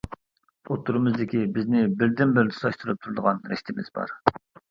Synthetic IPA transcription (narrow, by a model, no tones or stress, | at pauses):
ot̪ʰːuɾɨmɨzd̪ɪkʲibɪznɪbɪɾd̪ɪnbɪɾnʰɨ̥sɑʃt̪ʰɨɾɨp̚t̪ʰuɾd̪əʁɑnɾɛ̰ʃt̪ʰɪmɪ̰z̥bɑ̰ɾ